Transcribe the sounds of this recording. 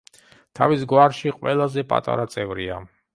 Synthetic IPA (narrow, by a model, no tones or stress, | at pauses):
t̪ʰavisɡwaɾʃiqʼwɛlˠazɛpʼa̰t̪ʼa̰ɾat̪sʼɛvɾia̰